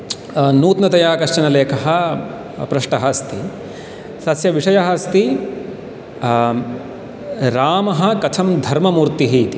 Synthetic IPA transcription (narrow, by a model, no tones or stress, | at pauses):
nuːt̪nɐt̪ɐjaːkɐʂt͡ʃɐnɐleːkʰɐɦɐ̆ | pɾɐʂʈɐɦɐst̪i | sɐsjɐʋiʂɐjɐɦɐst̪i | ɾaːmɐɦɐ̆kɐt̪ʰɐmd̪ʱɐɾmɐmuːɾt̪iɦit̪i